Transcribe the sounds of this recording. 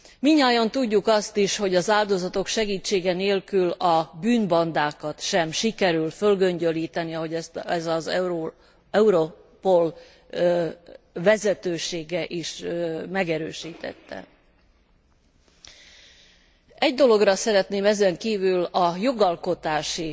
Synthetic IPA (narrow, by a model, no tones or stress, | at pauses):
miɲːaːjɒnt̪uɟːukɒst̪iʃho̞ɟɒzaːld̪o̞zɒt̪o̞kʃɛɡiːt͡ʃːeːɡɛneːlkylɒbyːnbɒnd̪aːkɒt̪ʃɛmʃikɛɾylfølɡø̞ɲɟø̞liːt̪ɛniɒɦo̞ɟɛst̪ɛzɒzo | ɛuɾo | po̞l | vɛzɛt̪øːʃeːɡɛʔiʃmɛɡɛɾøːʃiːt̪ɛ̰t̪ːɛ̰ | ɛɟd̪o̞lo̞ɡrɒsɛɾɛt̪neːmɛzɛŋkiːvylɒjo̞ɡɒlko̞t̪aːʃi